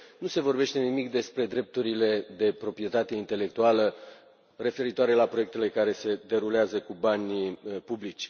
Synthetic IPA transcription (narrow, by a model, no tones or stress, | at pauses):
nuse̞vo̞rbe̞ʃt̪e̞nimikd̪e̞spɾe̞d̪ɾe̞p̚t̪uɾile̞d̪e̞pɾo̞pɾije̞t̪at̪e̞int̪e̞le̞k̚t̪ualə | re̞fe̞ɾit̪oaɾe̞lapɾoe̞k̚t̪e̞le̞kaɾe̞se̞d̪e̞ɾuleazəkubanʲpublit͡ʃʲ